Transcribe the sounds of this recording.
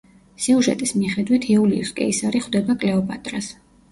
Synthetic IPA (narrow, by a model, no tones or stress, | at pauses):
siuʒɛ̰t̪ʼismiχɛd̪wit̪ʰɛuliuskʼɛ̰isaɾiχwd̪ɛbakʼlɛɔpʼat̪ʼɾas